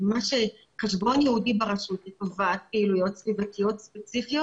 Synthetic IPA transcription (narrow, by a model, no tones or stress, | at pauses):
maʃe | kaʃbo̞njɛhudibaʁaʃut̪letovat̪̚peilujotsvivatijot̪spet͡sifijot